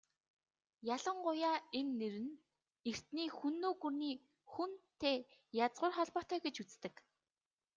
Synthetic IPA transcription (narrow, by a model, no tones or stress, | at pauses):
jaɮə̆ɴɢʊjaːenːeɾɘ̆n | er̥t̪niːxunːoːɣɵrniː | xunt̪ʰeːjat͡sʁʊːrχɔɮpɔːt̪œːɡet͡ɕut͡st̪ɘ̆k